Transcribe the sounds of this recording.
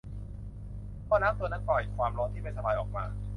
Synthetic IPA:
pʰɔː˧˩naː˦˥mt̪u˧˩əna˦˥k̚pɔ˨˩jkʰwaː˧mɾɔː˦˥nt̪ʰiː˥˩pa˧jsʰa˧baː˧jʔɔː˨˩k̚ma̰ː˧

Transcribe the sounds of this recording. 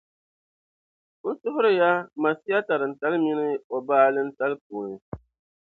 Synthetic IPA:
n̩˦sʊ˦ɦʊ˦ɾɨ˦ja˦ma˨si˦a˦ta˨ɾɨ˨n̩˨ta˦lmi˦nɨ˦o˨baː˦lɨ˦n̩˦ta˦lp̚uː˨nɨ˨

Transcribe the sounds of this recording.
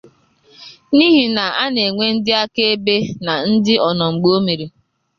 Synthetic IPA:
ni˦ɦi˨na˨a˦ne˨ŋʷe˦n̩˦dɪ˦a˦ke˦e˦be˦na˨n̩˦dɪ˦ɔ˨nɔ˨ŋ͡m̩˨ɡ͡bo˦mi˨ɾi˨

